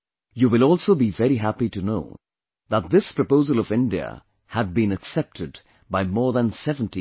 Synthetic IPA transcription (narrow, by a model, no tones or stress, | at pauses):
juːwɪlɔlˠsoʊbivɛɾiɦæpitɨno̰ʊ | ðət̪̚ðɪspʰɹ̥əpoʊzəlˠʌvɪ̃ndiə̰ | həd̚bĩnɨksɛp̚tʰɨd | baɪmɔːɹðə̃nsɛvə̃n̩ti